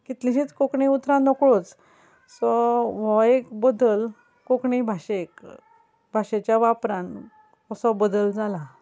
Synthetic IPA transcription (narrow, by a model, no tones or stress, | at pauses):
kit̪lĩɕiːt͡skokɳiut̪ɾãnɔkɭot͡s | sɔʋɔjekbəd̪əl | kokɳibʱaɕek | bʱaɕet͡ɕjaʋapɾãn | ɔsɔbəd̪əld͡zala